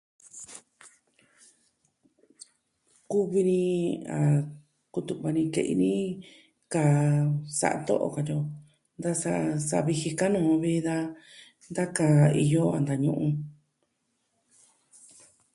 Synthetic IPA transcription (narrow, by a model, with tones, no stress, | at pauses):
ku˦βi˧nĩ˧a˨ | ku˧t̪u˧˨βa˧nĩ˧kḛ˧ʔḭ˧nĩ˦ | ka˨sa̰˧ʔa̰˧t̪o̰˦ʔo̰˧˨ka˧t̪o˧ | nd̪a˦sa˧sa̰˧βi˧hi˧ka˦nũː˦˨˧βi˦ða˧ | nd̪a˦ka˧˨i˧jo˦a̰˨nd̪a˨ɲũ˧ʔũ˧